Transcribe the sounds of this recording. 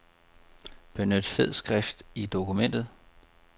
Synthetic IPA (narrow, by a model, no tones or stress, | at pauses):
b̥e̝nød̥feð̰ˠsɡ̥ʁɛfd̥id̥o̝kumen̰d̥ð̞̩ˠ